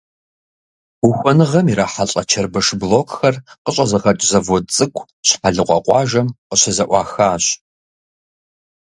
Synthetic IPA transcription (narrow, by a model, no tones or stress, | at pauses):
ʊxʷɔnɨʁɐmiɾaːħaɬʼɐt͡ʃʰɐrbɐʂbloːkʼxɐrqəɕʼɐzɐʁɐt͡ʃʼzɐvot͡sʼɨkʷʰʼ | ɕħaɮɨqʷʼɐ̰qʷʼɑːʒɐmqəɕɐzɐʔʷɑːxaːɕ